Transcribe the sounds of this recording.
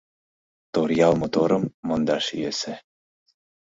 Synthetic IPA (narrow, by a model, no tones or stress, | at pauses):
t̪oɾjɑlˠmot̪oɾɤ̆mːɤ̆nd̪ɑʃijesɘ̆